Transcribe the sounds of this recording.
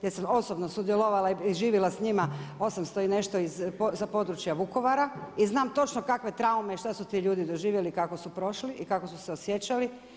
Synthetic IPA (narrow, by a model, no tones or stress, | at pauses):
jesamo̞sobno̞sud̪jeloʋalaiiʒiːʋilasɲimaosamst̪oine̞ʃt̪oizposapo̞d̪ɾut͡ʃjaʋuko̞ʋaɾaiznaːmt̪o̞t͡ʃnokakʋe̞t̪ɾaumeiʃt̪asut̪iʎuːd̪id̪o̞ʒiːʋje̞likako̞supɾo̞ʃliʔikako̞suseosje̞t͡ʃali